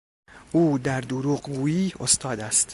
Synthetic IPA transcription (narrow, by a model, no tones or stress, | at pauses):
ʔuːd̪æɾd̪oɾuːɢɡuːjiːo̞st̪ɒːd̪æst̪